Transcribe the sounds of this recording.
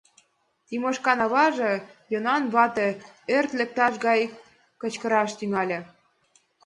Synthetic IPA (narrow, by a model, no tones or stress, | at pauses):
t̪imoʃkɑnɑβɑʒĕjonɑnβɑt̪ĕørt̪lĕk̚t̪ɑʃɣɑj | kə̆t͡ɕkə̆ɾɑʃt̪yŋɑlʲĕ